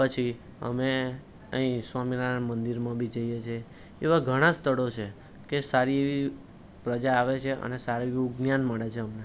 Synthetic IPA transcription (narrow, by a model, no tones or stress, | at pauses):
pət͡ʃʰi | ə̰me | əɦĩswaminaɾamənd̪iɾmãbʱid͡ʒəjet͡ʃʰe | eʋaɡʱəɽ̃ãst̪əɽot͡ʃʰe | kesaɾieʋi | pɾəd͡ʒaːʋet͡ʃʰeʔə̰nesaɾeʋiiuɡnjanməɽet͡ʃʰeəmne